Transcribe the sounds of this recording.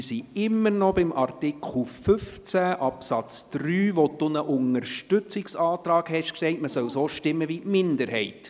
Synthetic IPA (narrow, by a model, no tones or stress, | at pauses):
ɪsiɪmːəɾnɔbɪmʔɑrtɪkʰχlfʏft͡sæʔɑpsɑt͡sd̥ɾyːʋɔdʊnəʔʊŋəɾʃtʏt͡sɪksɑːtrɑːkhɛʃkʃtɛɪtməsœwsoːʃtɪmːəvimɪndəɾhɛɪt